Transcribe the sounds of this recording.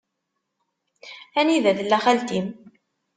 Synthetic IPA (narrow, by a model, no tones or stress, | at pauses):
æniðæðlːæχælt̪im